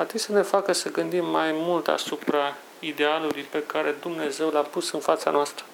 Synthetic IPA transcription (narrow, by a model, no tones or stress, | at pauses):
at̪it̪ʲsəne̞fakəsəɡɨnd̪imːajmult̪a̰supɾa | id̪e̞alulujpe̞kaɾe̞d̪umne̞ze̞wlapusɨnfat̪sa̰noast̪ɾə